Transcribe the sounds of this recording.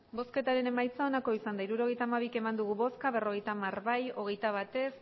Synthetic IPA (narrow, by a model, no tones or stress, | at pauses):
bo̞ske̞t̪aɾe̞ne̞majt͡sao̞nako̞isand̪aiɾuɾo̞ɣe̞jt̪aːmaβ̞ike̞mand̪uɣ̞uβo̞skaβ̞e̞ro̞ɣ̞e̞jt̪amarβajo̞ɣ̞e̞jt̪aβ̞at̪e̞s